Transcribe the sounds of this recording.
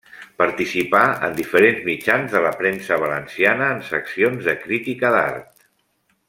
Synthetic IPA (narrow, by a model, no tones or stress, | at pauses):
pəɾt̪isipaə̰nd̪ifəɾenzmit͡ʃanzðələpɾensəβ̞ələnsianəːnsə̰ksionzðəkɾit̪ikəða̰ɾt̪